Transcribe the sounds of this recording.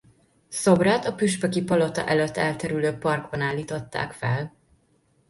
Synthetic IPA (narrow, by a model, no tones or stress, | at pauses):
sobraːt̪ɒpyʃpɛkipɒlot̪ɒ̰ʔɛløt̪ːɛlt̪ɛɾyløːpɒrɡbɒnaːlːiːt̪o̞t̪ːa̰ːkfɛ̰l